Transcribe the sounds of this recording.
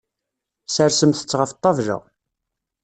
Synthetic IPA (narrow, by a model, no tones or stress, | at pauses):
səɾsəmθə̥t͡sːʁəft̪ˤːɑvʒə̰